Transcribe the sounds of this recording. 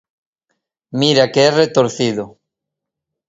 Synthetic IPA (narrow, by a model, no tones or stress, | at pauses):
miɾakeeret̪oɾθiðo